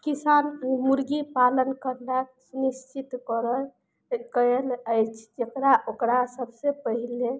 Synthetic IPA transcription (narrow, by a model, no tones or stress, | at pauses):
kisanmuɾɡipalənkəɾnaksunist͡ʃit̪kəɾəj | kəjələjt͡ʃʰd͡ʒekɾaʔokɾasəbsepəɦile